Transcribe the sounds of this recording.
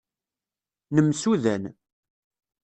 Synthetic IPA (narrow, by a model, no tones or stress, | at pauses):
nəmsuðæn